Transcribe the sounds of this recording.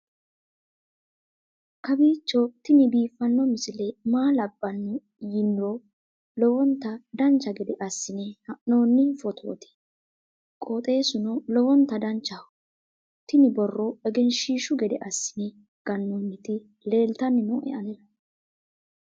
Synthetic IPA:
kɐbiːt͡ʃːɔt̪ɪnɪbiːfɐnːɔmɪsɪlɛmaːlɐbːɐnː | jɪnɾɔ | lɔwɔnt̪ːɐd̪ɐnt͡ʃːɐɡɛd̪ɛʔɐsːɪnɛhɐʔno̞ːnːɪfɔt̪ʰo̰ːt̪ɛ̥ | kʼoːt̪ʼe̞ːsʊnɔlɔwɔnt̪ːɐd̪ɐnt͡ʃːɐ | t̪ɪnɪbɔrːɔɛɡɛnʃiːʃʊɡɛd̪ɛʔɐsːɪnɛ | ɡ̥ɐnːɔnːɪt̪ɪ | le̞ːlt̪ɐnːɪnɔʔɛ̰ʔɐnɛlɐ

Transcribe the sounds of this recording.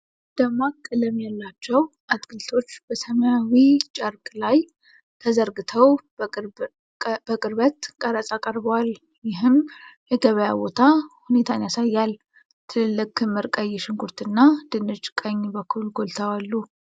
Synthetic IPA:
d̪̥əmakʼləmːijalːat͡ʃːɛwʔat̪ʼɡɨlt̪ʰo̞t͡ʃːb̥əsəməjawit͡ʃʼaɾkʼlaj | t̪ʰəzəɾɡɨt̪ʰəw | b̥əkʼɨɾbət̪kʼəɾəsʼakʼəɾbəwal | jɪɦɨmjɛɡəβəjabo̞t̪ʰahune̞t̪ʰanjasajːal | t̪ʰɨlɨlːɨkːɨmːɨɾkʼəjːɛʃɪŋɡʰuɾt̪ʰɨnːad̪̥ɨnɨt͡ʃʼkʼəɲːbəkʰːulɡo̞lt̪ʰəwalːu

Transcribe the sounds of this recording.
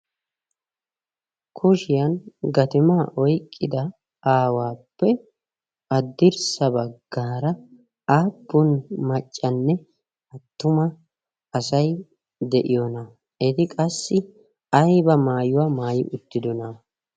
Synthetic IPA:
kʰʊʃɪjɐnɡɐt̪ɪmaːʔɔjkʼːɪd̪ɐ | aːwaːpːɛ | ɐd̪ːɪɾsɐbɐɡ̥ːaːɾɐ | aːbːʊnmɐt͡ʃʼːɐnːɛ | ɐt̪ːʊmɐ | ɐsɐj | d̪ɛʔɪjɔnɐ | ɪt̪ɪkʼɐsːɪ | ɐjbɐmaːjʊwamaːjɪ̰ʔʊt̪ːɪd̪ɔnɐ

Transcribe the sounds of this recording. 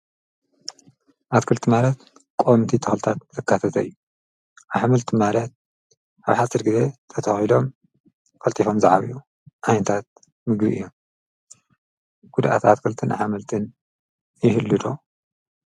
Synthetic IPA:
ʔat̪kʰɨlt̪ʰimalɐt̪ | kʼont̪ʰit̪ʰɨxlɨt̪ʰat̪̚zɨkːat̪ʰɐt̪ʰɐɨ̰jːu | ʔaβħamɨlt̪ʰimalɐt̪̚ | ʔaβħasɐɾɡɨze̞t̪ʰɐt̪ʰɐxilo̞m | kʰʼɐlt̪ʰʼifomzaʕaβḭʔu | ʔajnt̪ʰat̪̚ | mɨɡbiʔɨ̰jːo̞m | ɡ̥ud̪ʔa̰t̪ʰat̪kʰɨlt̪ʰɨnʔa̰ħamɐlt̪ʰɨn | jɪhɨlːɨd̪o

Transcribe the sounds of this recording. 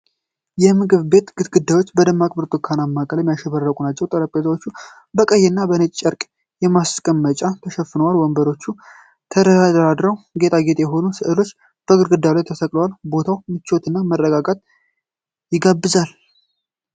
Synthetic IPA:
jɛmɨɡɨβbe̞t̪ɡ̥ɨt̪ɡɨd̪ːajwo̞t͡ʃːbəd̪ɨmːakʼbɨɾt̪ʼokʰːanamːakʼəlɛmːjaʃɛβərːəkʼunat͡ʃːɛwt̪ʼəɾəpʼːezəwot͡ʃːu | bəkʼəjːɛnːabənɨt͡ʃʼt͡ʃʼːɛɾkʼ | jɛmaskʼəmːət͡ʃʼat̪ʰəʃɛfɨnəwalwɔmbəɾo̞t͡ʃːu | t̪ʰədəd̪ad̪əɾad̪ɾəwɡe̞t̪ʰʼaɡe̞t̪ʼejɛɦo̞nusɨʔɨlo̞t͡ʃː | b̥əɡɨɾɡɨd̪ːalajt̪ʰəsəkʼləwalbo̞t̪ʰawmɨt͡ʃːot̪ʰɨnːamərːəɡaɡat̪̚ | jɪɡabːɨzal

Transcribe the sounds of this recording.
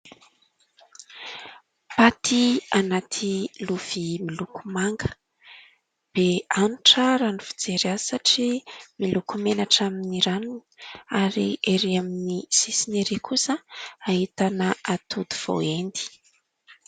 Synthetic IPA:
pat̪ʰianat̪ʰiluv̥imilukumaŋɡə̥ | b̥eanuʈ͡ʂəɾanufi̥d͡zeɾiasaʈ͡ʂimilukumenaʈ͡ʂaminiɾanuni̥aɾiʔeɾiaminisisineɾikʰusəaɦit̪anəat̪ʰud̪uv̥o̰end̪i̥

